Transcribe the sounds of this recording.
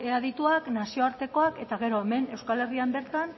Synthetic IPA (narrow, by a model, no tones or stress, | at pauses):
eað̞it̪uaknasio̞aɾt̪e̞ko̞ake̞t̪aɣ̞e̞ɾo̞eme̞ne̞wskale̞riambe̞ɾt̪an